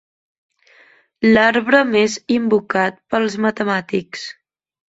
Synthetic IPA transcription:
laɾβɾəmezimbukat̪̚pəlˠzmət̪əmat̪iks

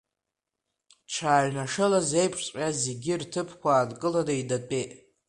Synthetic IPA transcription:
ʈ͡ʂʰaːɥnaʂɨlaze̞jpʰʂt͡sʼazeɡʲirtʰɨpʰkʷaːdkʼɨladaidatʼejtʼ

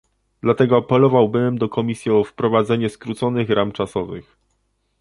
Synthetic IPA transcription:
d̪̥lat̪ɛɡɔapɛlɔvawbɘmd̪ɔkɔmʲisʲjiɔfpɾɔvad̪zɛɲɛskɾut̪sɔnɘxɾʔamt͡ʂasɔvɘ̰x

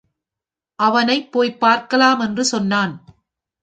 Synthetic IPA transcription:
ʔɐʋɐnɐɪpːoːjpːaːɾkɐlaːmɛndrɯsɔnːaːn

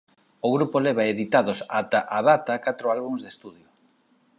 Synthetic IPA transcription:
oɣɾupoleβ̞aeðit̪aðʊsat̪aʔaðat̪ɐkat̪ɾʊalβuŋzðest̪uðjʊ

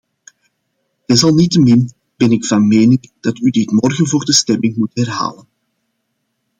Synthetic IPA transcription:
dɪsɑlˠnitəmɪn | b̥ɛnɪkfɑnmeːnɪŋd̥ɑtydɪtmɔrɣənvoːrdəstɛmɪŋmutɦɛrɦa̰ːlən

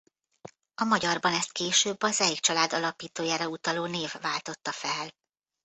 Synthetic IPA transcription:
ɒmɒɟɒrbɒnɛst̪̚keːʃøːbːɒzɛjikt͡ʃɒlaːd̪ɒlɒpiːt̪oːjaːɾɒut̪ɒloːneːvːaːlt̪o̞t̪ːɒfɛl

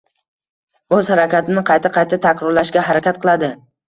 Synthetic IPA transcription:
ɵz̥haɾakʲat̪ɪnɪqʰɑjt̪ʰaqʰɑjt̪ʰat̪ʰakʲɾɒɾlaʃɡʲaɦaɾakʲat̪̚qʰɨlˠad̪ɪ

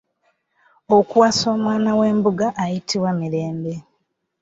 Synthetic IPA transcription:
okuwaːso̞ːmwaːnawe̞ːmbuɡaʔːjitʰiβwamiɾe̞ːmbe̞

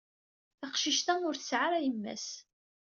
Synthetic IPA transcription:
θaqʃiʃt̪æʊɾθəsʕaɾæjəmːæ̰s

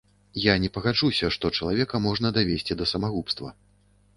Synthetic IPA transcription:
janʲɛpɐɣad͡ʐusʲɐʂt̪ɔt͡ʂɐlˠavʲɛkɐmɔʐnɐd̪avʲesʲt͡sʲid̪ɐsɐmaɣupst̪vɐ̰

